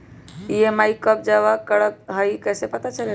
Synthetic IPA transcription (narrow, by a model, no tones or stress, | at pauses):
ijemaikːəp̚d͡ʒaʋakəɽək̚ɦəikɛsepət̪at͡ʃəle